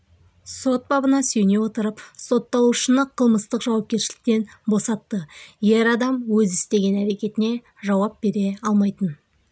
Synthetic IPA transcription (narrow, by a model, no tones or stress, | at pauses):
so̞t̪̚bɑbənɑsɵjne̞wo̞t̪əɾəpso̞t̪ːɑw̪ˠuʃənəqʰəlˠməst̪əqʒɑwɑp̚kʲe̞ɾʃɪlɪk̚t̪e̞nbo̞sɑt̪ːəje̞ɾɑd̪ɑmwɵzɪst̪e̞ɡʲe̞næɾe̞kʲe̞t̪ɪne̞ | ʒɑwɑp̚b̥e̞ɾe̞ɑlˠmɑjt̪ən